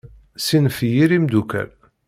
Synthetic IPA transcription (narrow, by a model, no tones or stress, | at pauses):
sinfjiɾimd̪ukæ̰l